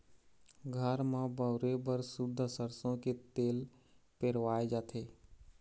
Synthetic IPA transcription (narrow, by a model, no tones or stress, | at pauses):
ɡʱəɾmãbəʊɾebəɾsʊd̪ʱːəsəɾsõket̪eːl | peɾʋaːed͡ʒaːt̪ʰeː